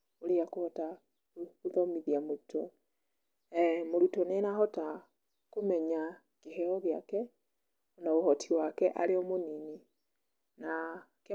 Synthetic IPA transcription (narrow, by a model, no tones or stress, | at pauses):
oɾeakohɔta | oðɔmiðiamoɾutʰɔ | ɛmoɾutɔnenaɦɔta | komɛɲa | keɦɛɔɣea̰kɛ | ɔnaohɔtʰiwakɛʔaɾeɔmonini | na | ke